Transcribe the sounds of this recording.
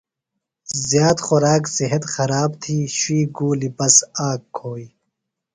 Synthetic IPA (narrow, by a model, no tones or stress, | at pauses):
zjaːt̪xoɾaːksiɦɐt̪xɐɾaːbt̪ʰiːɕwiːɡuːlibɐsaːkʰːoːi